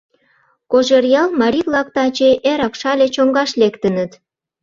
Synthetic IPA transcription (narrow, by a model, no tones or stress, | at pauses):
koʒerjɑlmɑɾiklɑk̚t̪ɑt͡ɕeʔeɾɑkʃɑlʲet͡ɕoŋɡɑʃlekt̪ə̆nət̪